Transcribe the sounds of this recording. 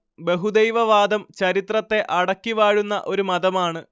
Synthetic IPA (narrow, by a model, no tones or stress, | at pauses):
be̞ɦud̪ejʋɐʋaːd̪ɐmt͡ɕɐɾit̪rɐt̪ːe̞ʔɐɽɐkːiʋaːɻunːɐ̰ʔo̞ɾumɐðɐmaːɳɨ